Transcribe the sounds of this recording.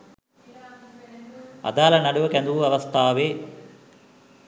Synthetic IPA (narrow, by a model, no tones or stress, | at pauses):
ɐ̰d̪aːlɐnɐɽuʋɐkɛnd̪uʋuɐʋɐst̪ʰaːʋeː